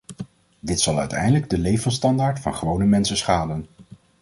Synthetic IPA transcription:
dɪtsɑlˠœ̰ɥtɛ̰jdələɡ̚dəlejvənstɑndaːɹtfɑ̰nχəʋownəmɛnsəsχaːdən

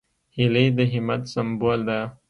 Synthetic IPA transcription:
hilejd̪əɦɪmat̪sambold̪a

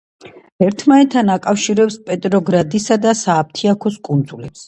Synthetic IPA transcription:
ɛɾt̪ʰmanɛt̪ʰːanakʼafʃiɾɛpspʼɛt̪ʼɾɔɡɾad̪isad̪asaːp̚t̪ʰiakʰɔskʼund̪zulɛps

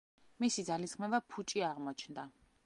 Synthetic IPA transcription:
misid̪zalisχmɛvapʰut͡ʃʼiaʁmɔt͡ʃʰnd̪a

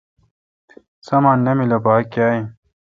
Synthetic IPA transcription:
sɐmaːnːemilɐbaːkjaːi

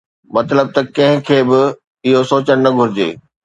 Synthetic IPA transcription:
mɐt̪ləb̚t̪ɐkɐ̃ɦɪ̃kʰeːbɪ | ɪɦosoːt͡ɕəɽ̃nɐɡʱʊɾɪd͡ʑḛː

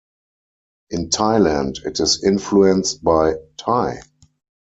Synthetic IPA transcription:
ʔɪ̃ntʰaɪlæ̃ndɪtɪsɪ̃nfluɛ̃nst̚baɪtʰaɪ

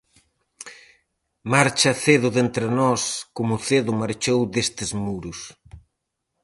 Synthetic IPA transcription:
maɾt͡ʃɐθeðʊðent̪ɾɪnɔskomʊθeðʊmaɾt͡ʃowd̪est̪ɪzmuɾʊs

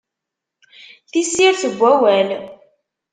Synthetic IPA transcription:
θisːiɾθəɡʷːæwæl

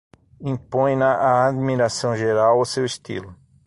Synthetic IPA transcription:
ĩpõj̃nɐʔaːd̪miɾasɐ̃w̃ʒeɾawʊsewɪst̪ḭlʊ

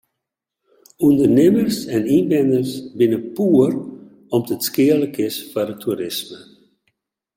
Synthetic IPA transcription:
undərnɪmərsɛninbɛnərsbɪnəpuːər | ɔmdətskɪələkɪsfarətʰuɾɪsmə

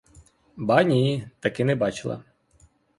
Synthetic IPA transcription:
bɑnʲit̪ɐkɪnɛbɑt͡ʃɪlˠɐ̰

